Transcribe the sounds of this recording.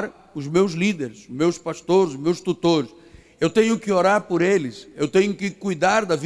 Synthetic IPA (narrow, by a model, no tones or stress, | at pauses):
ɾ | ʊzmewzlid̪eɾsmewspast̪oɾzʊmewst̪ut̪oɾs | ewt̪ẽɲʊkɪoɾaɾpʊɾelɪsewt̪ẽɲʊkɪkujd̪aɾd̪ɐv